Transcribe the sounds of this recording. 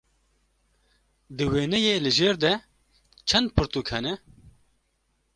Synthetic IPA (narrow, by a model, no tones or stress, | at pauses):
d̪ɨweːnɛjeːlɨʒeːɾd̪ɛ | t͡ʃʰɛnd̪̚pʰɨɾt̪uːkhɛnɛ